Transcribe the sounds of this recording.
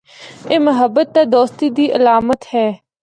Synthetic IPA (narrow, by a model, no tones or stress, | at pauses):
eːməɦəbːət̪̚ːad̪oːst̪iːd̪iːʔəlaːmət̪hɛː